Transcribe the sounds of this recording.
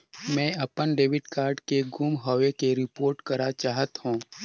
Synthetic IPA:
mɛ̃ːɐpənɖeːʋɪɖkaːɾɖkeɡumɦɔːʋekeɾɪpoːɾʈkɐɾat͡ʃaːɦət̪hũː

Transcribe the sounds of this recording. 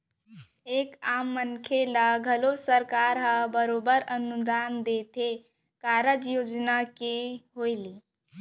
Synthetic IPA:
ekamːənkʰelaɡʱəlosəɾkaɾɦabəɾobəɾənud̪and̪et̪ʰe | kaɾəd͡ʒjod͡ʒnakeɦojli

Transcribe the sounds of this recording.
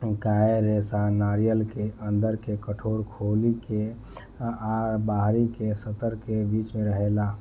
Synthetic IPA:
ɡaeɾesanaɾijəlkeʔənd̪əɾkekəʈʰoɾkʰolike | aɾbaɦɾikesət̪əɾkebit͡ʃmẽɾəɦela

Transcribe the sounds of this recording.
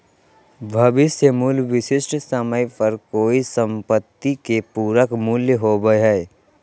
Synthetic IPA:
bʱəbɪsemuːlʋɪʃɪsʈsəməjpəɾkoːisə̃mpət̪ːikepuːɾəkmuljəɦoːbəɦɛː

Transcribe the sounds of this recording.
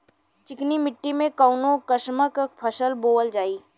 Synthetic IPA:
t͡ʃɪknimɪʈːimẽkaʊnõkəʃməkpʰɐʃəlboːəld͡ʒaːiː

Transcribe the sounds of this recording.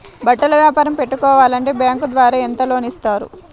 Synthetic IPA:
bɐʈːɐlɐʋjaːpaːɾɐmpeʈːukɔːʋaːlɐɳʈe̞ːbjaːŋkud̪ʋaːɾaːent̪ɐlo̞ːnist̪aːɾṵ

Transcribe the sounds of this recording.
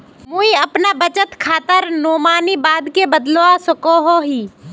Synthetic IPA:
muiɐpnabət͡ʃət̪kʰaːt̪əɾnoːmaːnibaːd̪kebəd̪loasʊkoɦoɦiː

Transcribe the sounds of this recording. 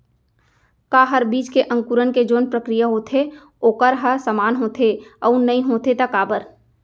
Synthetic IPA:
kaːɦəɾbiːt͡ʃkeʔɐ̃ŋkuɾənked͡ʒoːnpɾəkɾijaɦoːt̪ʰe | oːkəɾɦəsəmaːnɦoːt̪ʰeəunɐɦĩɦoːt̪et̪əkaːbəɾ

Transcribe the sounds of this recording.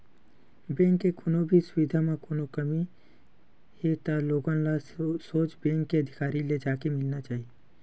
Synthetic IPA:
bɛ̃ːŋkːekʊnobʱisʊʋɪd̪ʱamẽkoːnokəmi | het̪aloːɡãlasoːt͡ʃbɛ̃ːŋkːeɐd̪ʱɪkaːɾiled͡ʒaːkemɪlnat͡ʃaːɦie

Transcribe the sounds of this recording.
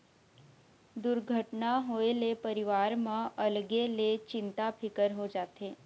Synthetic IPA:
d̪uɾɡʱəʈnaɦoelepəɾiʋaɾmãʔəlɡelet͡ʃɪnt̪apʰɪkəɾɦod͡ʒat̪ʰe

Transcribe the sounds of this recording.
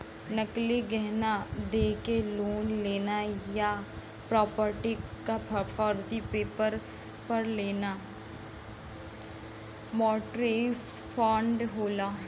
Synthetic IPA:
nəkliɡɛɦnad̪eːkeloːnleːnaja | pɾɔːpəɾʈikapʰpʰɔːɾd͡ʒipeːpəɾ | pɐɾleːna | mɔːʈɾeːs | fʰɔ̃ːɳɖɦoːla

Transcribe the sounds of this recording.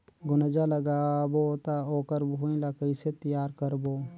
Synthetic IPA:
ɡʊnəd͡ʒaːləɡaːboːt̪aːoːkəɾbɦoːĩlaːkəɪseːt̪əjaːɾkəɾboː

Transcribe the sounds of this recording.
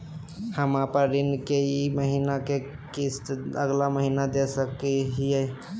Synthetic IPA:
həmapəɾinkeiməɦinake | kist̪əɡlaməɦinad̪esəkiɦijɛ

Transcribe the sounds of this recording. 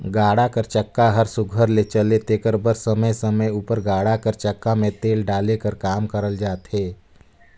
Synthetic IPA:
ɡaːɽakəɾt͡ʃəkːaɦəɾsʊɡʱəɾlet͡ʃəlet̪eːkəɾbəɾsəməjsəməjuːpəɾɡaːɽakəɾt͡ʃəkːamẽt̪eːlɖaːlekəɾkaːmkəɾəld͡ʒaːt̪ɦeː

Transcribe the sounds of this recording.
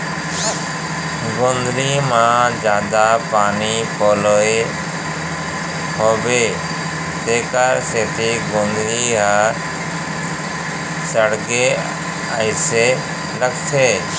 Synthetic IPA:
ɡõːnd̪ɾiːmãːd͡ʒjaːd̪aːpaːniːpoːloːe | hoːbeː | t̪eːkaɾseːt̪ʰiːɡõːnd̪ɾiːɦa | səɽɡeː | əɪseː | ləkt̪ʰeː

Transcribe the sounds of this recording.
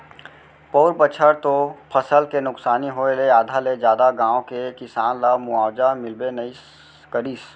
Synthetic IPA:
poːɾpət͡ʃʰəɾt̪opʰəsəlkenʊksaːniɦoːeleaːd̪ʱaled͡ʒjaːd̪aɡãːõkekɪsaːnlamʊaːwd͡ʒamɪlbenəi | kəɾiːs

